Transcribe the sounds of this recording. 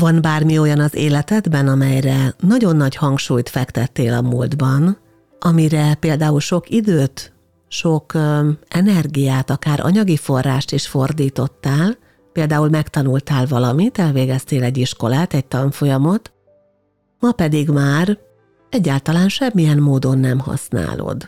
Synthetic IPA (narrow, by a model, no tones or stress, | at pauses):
vɒnbaːrmio̞jɒnɒzeːlɛt̪ɛd̪bɛnɒmɛjrɛnɒɟo̞nːɒɟhɒŋkʃuːjt̪fɛkt̪ɛt̪ːeːlɒmuːld̪bɒn | ʔɒmiɾɛpeːld̪aːulʃo̞kid̪øːt̪ | ʃo̞kɛnɛrɡijaːt̪ɒkaːɾʔɒ̰ɲɒɡifo̞rːaːʃt̪iʃfo̞rd̪iːt̪o̞t̪ːaːl | peːld̪aːulmɛkt̪ɒnult̪aːlvɒlɒmit̪ɛlveːɡɛst̪eːlɛɟːiʃko̞laːt̪ɛc̚t̪ɒɱfo̞jɒmo̞t̪ | mɒpɛd̪iɡmaːr | ɛɟːaːlt̪ɒlaːnʃɛmːijɛnːoːd̪o̞nːɛmhɒ̰sna̰ːlo̰d̪